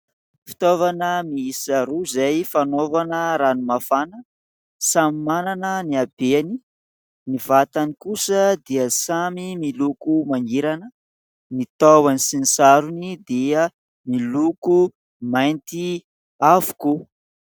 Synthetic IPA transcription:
fi̥t̪ovanəmiisaɾuzajfanovanəɾanumafanə | samimananəniab̥eani | nivat̪anikusəd̪iəsamimilukumaniɾanə | nit̪awanisinisaɾunid̪iə | miluku | majnt̪i | avu̥ku

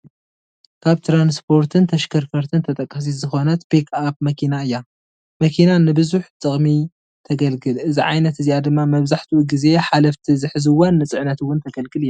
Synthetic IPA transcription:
kʰaβt̪ʰɾanspʰo̞ɾt̪ʰɨnt̪ʰɐʃkʰɐɾfɐɾt̪ʰɨnt̪ʰɐt̪ʼɐkʼːɐs̬izɨxo̞nɐt̪pikʰap̚mɐkʰinaɨjːa | mɐkʰinanɨbɨzuħt̪ʼɨχʼmi | t̪ʰɐɡɐlɡɨlʔɨziʕa̰jnɐt̪ɨzijad̪ɨmːamɐβzaħt̪ʰiuɡize̞ħalɐft̪ʰizɨħɨzɨwːonːɨt͡sʼɨʕnɐt̪wːʊnt̪ʰɐɡɐlɡɨlɨjːa

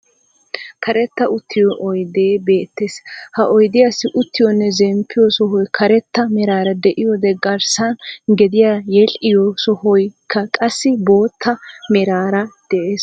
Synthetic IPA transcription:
kʰɐɾɛt̪ːɐʔʊt̪ːɪjɔʔɔjd̪eːbe̞ːt̪ːeːshɐʔɔjd̪ɪjasːɪʔʊt̪ːɪjɔnːɛzɛmpʰːɪjɔsɔɦɔjkʰɐɾɛt̪ːɐmɛɾaːɾɐd̪ɛʔɪjɔd̪ɛɡɐɾsɐnɡɛd̪ɪjaːjɛlʔɪjɔsɔhɔjkʰːɐkʼɐsːɪbo̞ːt̪ʰːɐmɛɾaːɾɐd̪̥ɛʔeːs

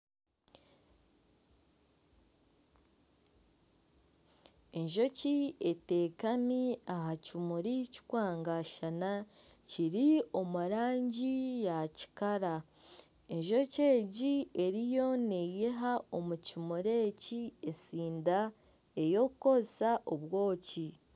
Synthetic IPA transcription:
e̞ɲʒo̞ciete̞ːkamiahacimuɾici̥kwaːŋɡaʃana | ciɾio̞muɾaːɲɟijaci̥kaɾa | e̞ɲʒo̞ce̞ːɟie̞ɾijo̞nejeɦaomucimuɾe̞ːciesiːnda | e̞jo̞kko̞saʔoβwo̞ːci

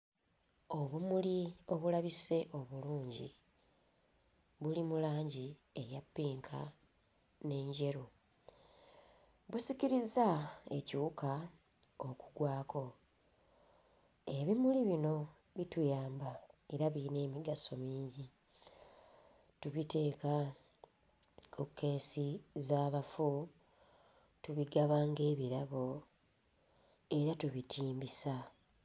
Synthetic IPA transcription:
o̞βumulio̞βulaβise̞ʔo̞βuluːɲɟḭ | βulimulaːɲɟie̞japːiːŋkʰa | ne̞ːɲɟe̞ɾo | βusiciɾizae̞̰ciuka | oku̥ɡwaːko̞ | e̞βimuliβino̞ | βitujaːmbae̞ɾaβine̞ːmiɡaso̞miːɲɟi | tuβite̞ːka | kokːe̞ːsizaːβafu | tuβiɡaβaːŋɡe̞ːβiɾaβo̞ | e̞ɾatuβitʰiːmbisa

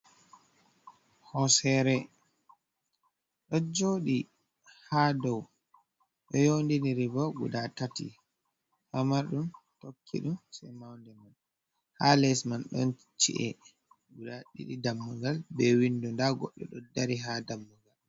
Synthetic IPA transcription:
hɔsɛɾɛ | ɗɔd͡ʒoːɗi | hadɔw | ɗɔjondiniɾibɔɡudatatḭ | hamaɾɗumtokʰːḭɗumsajmawndɛman | halɛsmanɗɔ̰n | t͡ʃḭʔɛ | ɡudaɗḭɗidamːuŋɡalbɛwindundaɡɔ̰ɗːɛ̰ɗɔdaɾiɦadamːuŋɡal

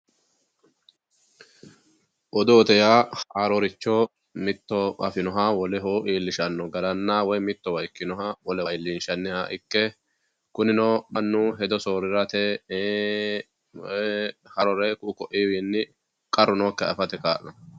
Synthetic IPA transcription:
ʔɔd̪ʊɔt̪ɛjaːaːɾɔɾɪt͡ʃːɔ | mɪt̪ːɔɐfɪnɔɦawɔlɛɦoːʔiːlːɪʃɐnːɔɡɐlɐnːaːwɔjmɪt̪ːɔwɐjkːɪnɔɦawɔlɛjlːinʃɐnːɪhaːʔɪkːɛ | kʊnɪnɔːɗɐnːʊɦɛd̪ɔsoːɾɪɾɐt̪ɛ | hɐɾɔɾɛkʊkɔʔiːwiːnːɪ | kʼɐrːʊnɔːkːɛɐ̰fɐt̪ɛkaːʔnɐ

